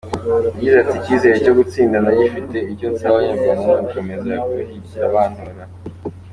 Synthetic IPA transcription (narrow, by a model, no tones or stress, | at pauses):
ɟizaticiːze̞ɾeco̞ɡut͡siːndanaɟifite̞iɾɟo̞nsaβajaamanakomezaakhi | aβaːn̥uɾa